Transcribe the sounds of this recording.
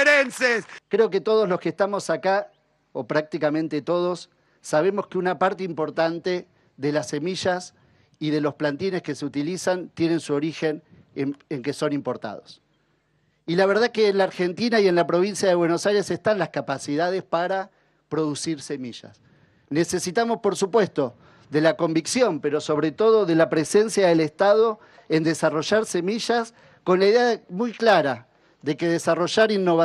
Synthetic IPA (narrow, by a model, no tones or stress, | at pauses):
ɾenseskɾe̞ok̬e̞t̪o̞ð̞ozlo̞skest̪amo̞saka | opɾak̚t̪ikamẽnt̪et̪o̞ð̞o̞sː | aβ̞e̞moskeunapaɾt̪eimpo̞ɾt̪ant̪e̞ | ðelase̞miʒas | iðe̞lo̞splant̪ine̞skeseut̪ilisant̪je̞ne̞nsuo̞ɾixe̞n | eŋkeso̞nimpo̞ɾt̪a̰ð̞o̞̰s | ilaβ̞eɾð̞akeːnlaɾxe̞nt̪inaie̞nlapɾo̞β̞insjaðeβwe̞no̞sajɾe̞se̞st̪anlaskapasið̞að̞espaɾa | pɾo̞ðusiɾse̞miʒa̰s | ne̞se̞sit̪amo̞spo̞ɾsupwe̞st̪o̞ | ðe̞lako̞mbiksjo̞mpe̞ɾo̞so̞βɾe̞t̪o̞ð̞o̞ðe̞lapɾese̞nsjaðelest̪aðo̞ | e̞nd̪esaro̞ʒaɾse̞miʒas | ko̞nlaiðeamujklaɾa | ðe̞ke̞ðesaro̞ʒaɾinːo̞βa